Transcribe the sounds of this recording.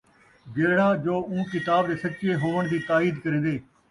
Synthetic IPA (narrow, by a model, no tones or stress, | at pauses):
ɡeːɽãːd͡ʒoːũːkɪt̪aːbd̪eːsətːt͡ʃeːɦoːʋəɳ̃d̪iːt̪aːiːd̪kəɾẽːnd̪eː